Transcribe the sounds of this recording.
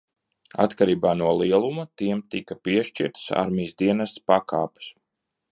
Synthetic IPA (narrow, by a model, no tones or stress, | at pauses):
a̰t̪kaɾiːbaːnuɔlˠiɛlˠumat̪iɛmt̪ikapiɛʃt͡ʃḭɾt̪sa̰ɾmʲijsd̪iɛnast̪spakaːpu̥s